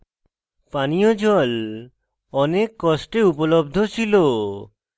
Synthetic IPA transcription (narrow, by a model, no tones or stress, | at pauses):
panijod͡ʑɔl | ɔnekːɔsʈeupolobd̪ʱot͡ɕʰilo